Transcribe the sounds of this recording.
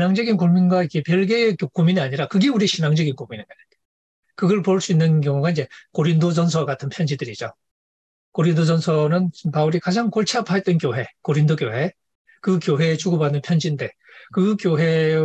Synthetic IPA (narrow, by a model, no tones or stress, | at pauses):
naŋd͡ʑʌɡinkuŋminɡwaikepjʌɭɡekokominiaɲiɾakɯɡeuɾiɕʰinaŋd͡ʑʌɡinkominia | kɯɡʌɭpoɭs͈uinːɯnk̬jʌŋuɡaind͡ʑe̞koɾindos̬ʌnsʰʌɡatʰɯnpʰjʌnd͡ʑidɯɾid͡ʑo | koɾindos̬ʌnsʰʌnɯnpauɾikad͡ʑaŋkoɭt͡ɕʰapʰaet͈̚ʌnkjoɦe̞koɾindoɡjoɦe̞ | kɯkjoɦe̞t͡ɕuɡobanɯnpʰjʌnd͡ʑinde̞ | kɯkjoɦe̞